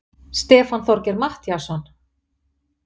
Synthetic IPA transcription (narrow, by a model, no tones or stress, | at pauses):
st̪ɛːfanθɔɾcɛɾmaht̪jasɔn